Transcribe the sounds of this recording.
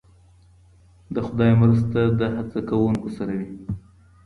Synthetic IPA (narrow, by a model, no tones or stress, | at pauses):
d̪əxʊd̪ɑjmɾas̬t̪ad̪əhat͡sakawuŋkosaɾawi